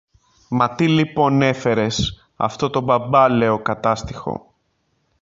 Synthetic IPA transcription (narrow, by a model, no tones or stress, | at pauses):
mɐt̪ilipo̞ne̞fe̞ɾe̞s | ɐ̰ft̪o̞t̪o̞bɐbɐle̞o̞kɐt̪ɐst̪i̥xo̞̰